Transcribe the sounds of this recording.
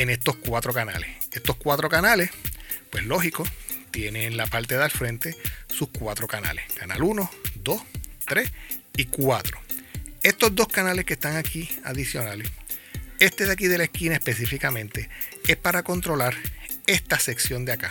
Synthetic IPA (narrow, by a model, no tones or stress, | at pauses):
ene̞st̪o̞skwat̪ɾo̞kana̰lese̞st̪o̞skwat̪ɾo̞kanale̞spweslo̞ɦiko̞t̪je̞neːnlapaɾt̪eðalfɾent̪e̞suskwat̪ɾo̞kana̰leskana̰luno̞d̪o̞st̪ɾe̞s | ikwat̪ɾo̞e̞st̪o̞zd̪o̞skanalehkest̪aŋakʰia̰ðisjo̞nales | e̞st̪eðeakiðe̞laeskinae̞spe̞sifikamẽ̞nt̪e̞e̞spaɾako̞nt̪ɾo̞laɾ | e̞st̪ase̞ksjo̞nd̪eaka̰